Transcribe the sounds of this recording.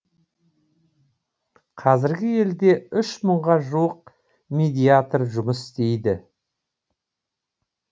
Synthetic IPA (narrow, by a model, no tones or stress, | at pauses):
qʰɑzɪɾɡʲɪje̞ld̪e̞ʏʃməɴʁɑʒuwəq̚ | mʲed̪ʲijat̪rʒʊməsɪ̥st̪e̞jd̪ɪ